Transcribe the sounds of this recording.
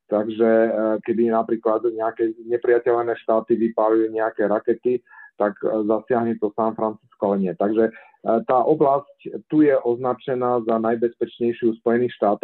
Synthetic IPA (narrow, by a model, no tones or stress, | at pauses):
t̪aɡʒɛkɛd̪inapɾiːklad̪ɲɛakɛɲɛpɾiacɛʎnɛːʃt̪aːt̪iʋipaliuɲɛakɛːɾakɛt̪it̪aɡzasɪaɦɲɛt̪ɔsanfɾant͡siskɔalɛɲɪɛt̪aɡʒɛ | t̪aːʔɔblasct̪ujɛʔɔznat͡ʃɛnaːzanajbɛspɛt͡ʃɲɛjʃɪuspɔjɛniːxʃt̪aːt̪ɔ